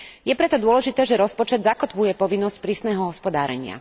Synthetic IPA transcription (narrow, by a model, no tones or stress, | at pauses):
jɛpɾɛt̪ɔd̪ʊɔlɛʒit̪ɛːʒɛɾɔspɔt͡ʃɛd̪zakɔt̪ʋujɛpɔʋinːɔsc̚pɾiːsnɛːɦɔɦɔspɔd̪a̰ːɾɛɲɪa̰